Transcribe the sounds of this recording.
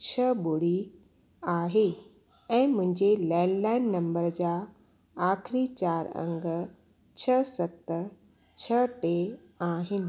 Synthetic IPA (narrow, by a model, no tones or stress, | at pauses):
t͡ɕʰəɓoɽi | aːɦe | ɛ̃ːmʊ̃ɦɪ̃ɲd͡ʑelɛːnlaːɪnːɐ̃mbəɾd͡ʑa | aːkʰɪɾit͡ɕaːɾə̰̃ŋɡ | t͡ɕʰəsɐt̪ | t͡ɕʰəʈe | aːɦɪnɪ̆